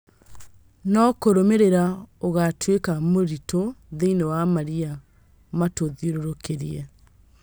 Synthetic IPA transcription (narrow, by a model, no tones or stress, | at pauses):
nɔkoɾomeɾeɾaoɣatʰwekamoɾitoðeinewamaɾia | matoðjoɾoɾokʰeɾiɛ